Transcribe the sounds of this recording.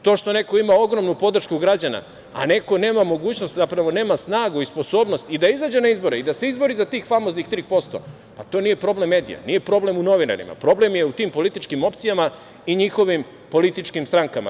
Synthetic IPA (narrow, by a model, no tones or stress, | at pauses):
t̪oʃt̪o̞ne̞ko̞imao̞ɡɾo̞mnupo̞d̪ɾr̩ʃkuɡɾad͡ʑana̰ | a̰ne̞ko̞ne̞ːmamo̞ɡuːt͡ɕno̞st̪zapɾaʋo̞ne̞ːmasnaːɡuispo̞so̞ːbnost̪id̪aizad͡ʑe̞naizbo̞ɾeid̪aseizbo̞ɾizat̪iːxfamo̞znixt̪ɾipo̞st̪o̞̰ | pat̪o̞ːnije̞pɾo̞ble̞mːeːd̪ḭja̰nije̞pɾo̞ble̞muno̞ʋina̰ɾḭma̰pɾo̞ble̞mje̞ut̪iːmpo̞lit̪it͡ʃkimo̞pt̪sijama | iɲixo̞ʋim | po̞lit̪it͡ʃkimst̪ɾaŋkama̰